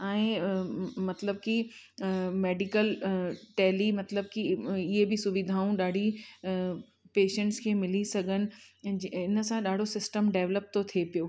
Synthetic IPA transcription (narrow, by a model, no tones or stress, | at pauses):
ɛ̃ː | mɐt̪ləb̚ki | meːɖikəlʈɛːlimɐt̪ləb̚kiɪɦebɪsʊʋɪd̪ʱaːũɗaːɖʱi | peːʃə̃ɳʈskʰeːmɪlisɐɡʱənɪ̆ | ɪnəsãɗaːɖʱosɪsʈəmɖeːʋləp̚t̪ot̪ʰiepijoː